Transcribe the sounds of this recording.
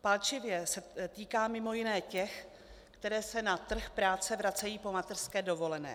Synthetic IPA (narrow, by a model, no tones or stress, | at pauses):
palt͡ʃɪvjɛsɛt̪iːkaːmɪmo̞jɪnɛːcɛx | kt̪ɛɾɛːsɛnat̪r̩xpɾaːt͡sɛvɾat͡sɛjiːpo̞mat̪ɛr̥skɛːdo̞vo̞lɛnɛ̰ː